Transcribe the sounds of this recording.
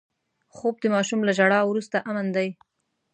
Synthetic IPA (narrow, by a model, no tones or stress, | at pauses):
xob̚d̪əmɑʃumlaʒaɽɑwɾust̪aʔamand̪aj